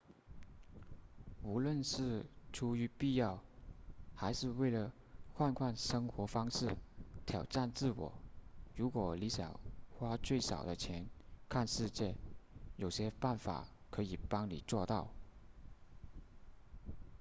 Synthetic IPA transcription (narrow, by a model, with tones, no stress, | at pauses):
u˧˥lwə˥˧nʂɻ̩˥˩ʈ͡ʂʰu˥y˧˥pi˥˧jɑ˥˩ʊ | xa˧˥ɪʂɻ̩˥˧we˥˩ɪlə˩ | xwa˥˧nkʰwa˥˩nʂɤ˥ŋxwɔ˧˥fɑ˥ŋʂɻ̩˥˩t̪ʰjɑ˨˩ʊʈ͡ʂa˥˧nt͡sɹ̩˥˩wɔ̰˨˩ɻu˧˥kwɔ˨˩li˧˥ɕjɑ̰˨˩ŋxwa˥t͡swe˥˩ɪʂɑ̰˨˩ʊd̪ə˦t͡ɕʰjɛ˧˥nkʰa˥˧nʂɻ̩˥˧t͡ɕjɛ˥˩jo˨˩ʊɕjɛ˥pa˥˩nfa̰˨˩˦kʰɤ˧˥i˨˩pɑ˥ŋlḭ˨˩t͡swɔ˥˧t̪ɑ˥˩ʊ